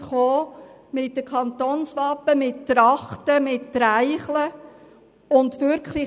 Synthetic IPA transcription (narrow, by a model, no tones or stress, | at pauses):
χoː | mɪt̚dəkʰɑnt̪oːnsʋɑpːəmɪttɾɑχtəmɪtːɾaɪχlə | ʊndʋʏɾkʰχlɪ